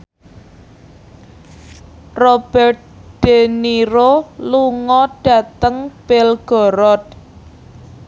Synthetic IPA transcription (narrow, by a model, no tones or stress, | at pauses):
rob̥ɛrt̪̚ɖ̥eniɾoluŋɔɖ̥ä̤t̪əŋb̥elɡ̥ɔ̤ɾɔt̪̚